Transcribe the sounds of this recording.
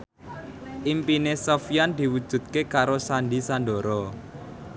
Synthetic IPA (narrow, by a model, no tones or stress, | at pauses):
ʔimpinesofiand̪̥i̤wud̥ʒ̥ṳt̪̚kekaɾosanɖisanɖoɾɔ